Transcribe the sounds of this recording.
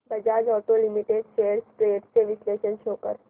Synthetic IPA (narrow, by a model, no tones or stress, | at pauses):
bɐd͡ʒaːd͡ʒɔːʈolɪmiʈeːɖseːɽspɾeːɖseʋɪsleːʃənʃʰoːkə̰ɾ